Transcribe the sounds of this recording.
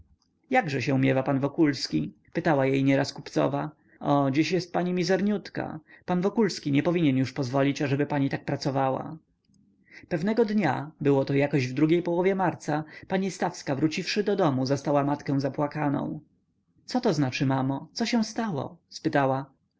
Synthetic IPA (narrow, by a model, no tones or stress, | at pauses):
jaɡʐɛɕɛumʲjɛvapanvɔkulskʲi | pɘt̪awajejɲɛɾaskupt̪sɔ̰va | ʔɔd͡ʑiɕjɛst̪̚paɲimʲizɛɾɲut̪ka̰panvɔkulskʲiɲɛpɔvʲiɲɛnjuʂpɔzvɔlʲit͡ɕaʐɛbɘpaɲit̪ak̚pɾat̪sɔvawa̰ | pɛvnɛɡɔd̪ɲa̰bɘwɔt̪ɔjakɔʑvd̪ɾuɡʲejpɔwɔvʲjɛmaɾt̪sapaɲist̪afskavɾut͡ɕifʂɘd̪ɔd̪ɔmuzast̪awamat̪kɛ̃w̃zapwakanɔ̰̃w̃ | t̪sɔt̪ɔznat͡ʂɘmamɔt̪sɔɕɛ̃w̃st̪awɔ̰spɘt̪awa